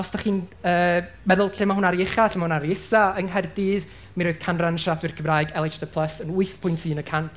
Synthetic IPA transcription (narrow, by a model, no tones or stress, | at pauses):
ɔsd̥aχiːnəː | mɛðʊlˠɬɪmahʊnaɾjɪχaɬɪmaʊnaɾjɪsaəŋɦɛrdiːð | minɾoːð̥kʰanranəʃap̚dwɪrkʰəmraːɨɡɛlˠɛt͡ʃdəpʰlˠəsənʊɨθpʰʊɨntʰɨːnəkʰantʰ